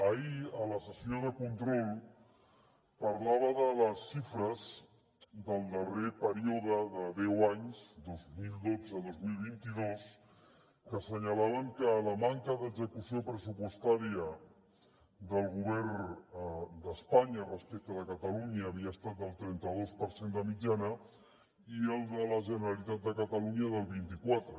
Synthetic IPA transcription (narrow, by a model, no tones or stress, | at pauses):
əiələsəsijoðəkunt̪ɾɔlˠ | pəɾlaβ̞əðələsːifɾəz | ðəlˠd̪ərepəɾioðəðəðɛwaɲzd̪ozmilˠd̪od͡zəðozmilˠβint̪iðos | kəsəɲəlaβəŋkələmaŋkəðəɡzəkusiopɾəsupwəst̪aɾiə | d̪əlˠɣuβɛɾn | d̪əspaɲərəspek̚t̪əðəkət̪əluɲəːβ̞iəəst̪at̪̚d̪əlˠt̪ɾɛnt̪əðospəɾsend̪əmid͡ʒanə | iəlˠd̪ələʒənəɾəlit̪at̪̚d̪əkət̪əluɲəðəlˠβint̪ikwat̪ɾə